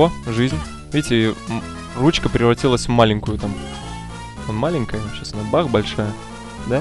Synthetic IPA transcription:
oʐɨzʲnʲ | vʲetʲɪ | rut͡ɕkəpɾʲɪvɾɐtʲilˠəsʲvmalʲɪŋʲkʊjʊt̪am | malʲɪŋʲkəjəɕasnəbaɣbɐlʲʂajə | d̪a

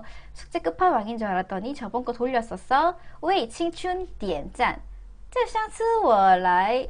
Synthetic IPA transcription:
sʰu̥k̚t͡ɕ͈ek͈ɯpʰanwaŋind͡ʑʌaɾat̚t͈ʌɲit͡ɕʌbʌnk͈otoʎːʌs͈ʌsʰʌweit͡ɕʰiŋt͡ɕʰuntient͡ɕ͈an | t͡ɕ͈aɕaŋsʰɯwʌɭːaj

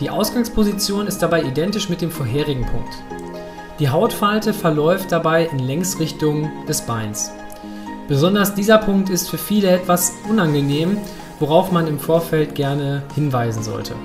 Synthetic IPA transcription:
d̥iːʔa̰ʊsɡ̥aŋspʰozit͡sjoːnɪstd̥abaɪʔidɛntɪʃmɪt̚d̥eːmfoːɐɦeːʁ̞ɪɡŋ̩pʰʊ̰ŋk̚t | d̥iːɦaʊtfaltəfɛɐlɔʏft̚d̥abaɪʔɪnlɛŋstʁɪçtʊŋd̥ɛsb̥aɪns | b̥əzɔndɐsd̥iːzɐpʰʊŋk̚tɪstfyːɐfiːləɛtv̥asʔʊnanɡəneːm | voʁaʊfmanɪmfoːɐfɛlt̚ɡ̥ɛɐnəhɪnvaɪzn̩zɔ̰ltʰə̰

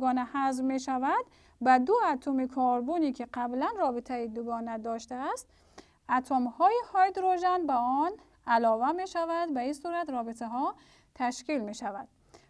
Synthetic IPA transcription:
ɡɔːnæhazvmeʃævæd̪ | bæd̪uæt̪ʰumikʰɔːɾbunikʲʰiqæblænrɔːbit̪ʰæjid̪uɡɔːnæd̪ɔːʃt̪æːst̪ | æt̪ʰomhɔːjihɔjd̪ɾoʒænbæɔn | ælɔːvæmeʃævæd̪bæisuɾat̪ɾɔːbit̪ʰæɦɔ | t̪ʰæʃkilmeʃævæd̪̥

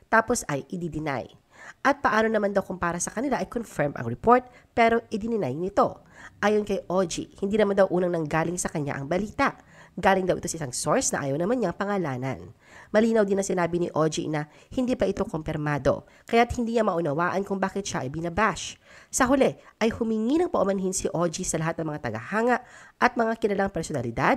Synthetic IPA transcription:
t̪aːpo̞sɐjʔɪd̪id̪ɪna̰j | ʔɐt̪̚pɐʔaːno̞nɐmand̪ɐwkʊmpaːɾɐsɐkɐnɪlaʔɐjkonfɛɹmɐ̰ŋɹɛpo̞ɹt̪̚ | pɛɾo̞ʔɪd̪ɪnɪna̰jŋnɪt̪o̞ | ʔaːjonkɐjʔod͡ʒḭhɪnd̪iːnɐmand̪ɐwʔuːnɐŋnɐŋɡaːlɪŋsɐkɐɲa̰ʔɐŋbɐliːt̪ɐʔɡaːlɪŋd̪ɐwʔɪt̪o̞sɐɪsaŋso̞ɹsnɐ̰ʔa̰ːjɐwnɐmanɲɐŋpɐŋɐlaːnɐ̰n | mɐliːnɐwd̪ɪnɐŋsɪnaːbɪnɪʔo̞d͡ʒḭnɐ | hɪnd̪iːpɐʔɪt̪o̞kompɪɾmaːd̪o̞̰ | kɐjat̪̚hɪnd̪iːɲɐmɐʔʊnɐwaːʔɐnkʊŋbaːkɪt̪ʃaʔɐjbɪnɐbaʃ | sɐɦʊlɛʔɐjhʊmɪŋinɐŋpɐʔʊmɐnɦinsɪʔod͡ʒisɐlɐɦat̪nɐŋmɐŋat̪ɐɡɐhaːŋɐʔʔɐt̪̚mɐŋakɪlɐlaŋpɛɾsonɐlɪd̪ad̪̚

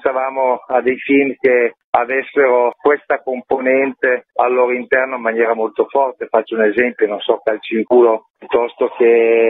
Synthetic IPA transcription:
st̪avaːmoad̪ejfilmk̟e | avɛsːeɾokwest̪akomponɛnt̪ealːoːɾoint̪ɛrnoimːanjɛːɾamolt̪ofɔrt̪efat͡ʃːounezɛmpjononsɔkalt͡ʃiŋkuːlopjut̪ːɔst̪oke

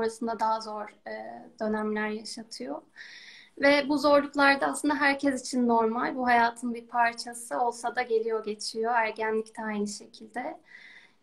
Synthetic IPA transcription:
oɾasɯnd̪ad̪aɦazo̞ɾd̪̥ø̞næmlʲæɾjaʃat̪ʰɯjo | vɛbuzo̞ɾlˠuklˠaɾd̪aːslˠɯnd̪aɦæɾcʰɛzit͡ʃʰinːo̞ɾmalʲbuɦajaːt̪ʰɯnbiɾpʰaɾt͡ʃʰasɯo̞lˠsad̪aɟe̞lʲijo̞ɟe̞t͡ʃʰijo̞æɾɟænlʲict̪ʰɛajnɯʃe̞cʰilʲd̪ɛ

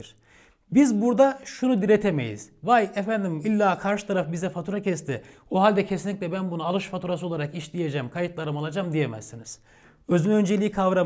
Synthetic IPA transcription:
ɾ̥ | bizbuɾd̪aʃunud̪iɾet̪ʰemḛjḭz̥vajefænd̪imilʲːaːkʰaɾʃɯ̥t̪ʰaɾafbizɛfat̪ʰuɾacʰɛst̪ʰɪ | oɦalʲd̪ɛcʰesinlʲicʲlʲɛbænbunaalˠɯʃfat̪ʰuɾasɯolˠaɾakiʃlʲije̞d͡ʒɛmkʰajɯt̪lˠaɾɯmalˠad͡ʒamd̪ijemæ̰zːiniz̥ | ø̞zynø̞nd͡ʒe̞lʲiːkʰavɾa

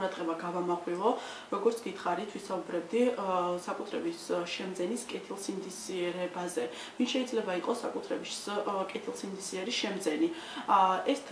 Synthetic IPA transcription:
ɾad̪ʁɛbaɡavamaχwilˠɔ | ɾɔɡɔɾt̪sʰɡ̥it̪ʰχaɾit̪ʰwisaubɾɛb̚d̪isakʼut̪ʰɾɛbisʃɛmd̪zɛniskʼɛt̪ʰilˠsimd̪isiɛɾɛbazɛ | vinʃɛid̪zlɛbaiqʼɔsːa̰kʼut̪ʰɾɛbiskʼɛt̪ʰilˠsimd̪isiɛɾiʃɛmd̪zɛni | ɛst̪ʰ

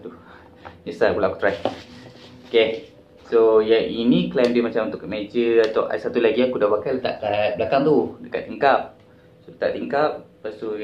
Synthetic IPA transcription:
t̪u | nisabulaʔaku̥t̪ɾaj | oke | sojaŋʔiniklamdimat͡ʃamunt̪ʊkmed͡ʒəat̪aʔa̰sat̪ulaɡiakudabakalət̪a̰ʔt̪at̪̚blakaŋt̪udəkat̪ːiŋkap̚ | solət̪a̰ʔt̪iŋkap̚past̪u

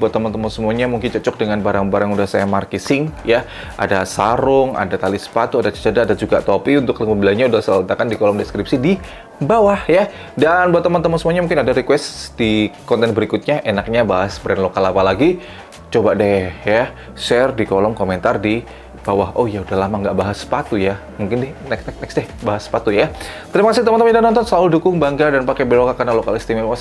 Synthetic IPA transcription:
buat̪ːəmant̪əmɔnsəmuaɲamuŋkɪnt͡ʃət͡ʃɔk̚dəŋanbaɾaŋbaɾaŋudahsajamarkisɪŋja | ʔa̰dasaɾʊŋa̰dat̪alisə̥pat̪uadat͡ʃə̥t͡ʃadadad͡ʒuɡat̪opiunt̪ʊkləməbilaɲaudahsələnt̪akandikolɔmdɛskɾipsidi | bawahja | danbaat̪əmant̪əmansəmuaɲamuŋkɪnadaɾikwɛst̪dikɔnt̪ɛnbəɾikut̪̚ɲaʔenak̚ɲabaɦasbɾɛnlokalapalaɡi | t͡ʃobadɛja | sɛrdikolɔmkoment̪ardi | b̥awaɦʔojaudahlamaŋɡaʔbaɦasə̥pat̪uja | muŋkɪndɛhnɛkɛk̚nɛksdɛhbaɦaspat̪ujat̪əɾimakasɪt̪əmənmadanɔnt̪̬ɔnsaʊldukʊŋbaŋɡadanpakɛbelokakarnalokalist̪imaas

